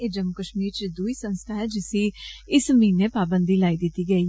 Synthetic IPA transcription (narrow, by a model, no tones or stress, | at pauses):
ed͡ʒəmʊkəʃmiːɾt͡ʃid̪uiːsə̃nst̪ʰaːɦɛːd͡ʒɪsiːɪsəmĩːneːpaːbənd̪iːlaːid̪ɪt̪ːiːɡəiː